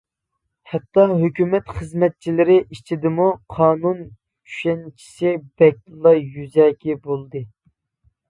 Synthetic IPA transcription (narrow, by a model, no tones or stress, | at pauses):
hɛt̪ːɑɦøkʲymɛt̪χəzmɛt̪̚t͡ʃʰilɪɾɪʔit͡ʃʰid̪ɪmuqʰɑːnun | t͡ʃʰy̥ʃɛnt͡ʃʰi̥sɪbɛk̚ʲlˠɑjyzɛkʲibolˠd̪ɨ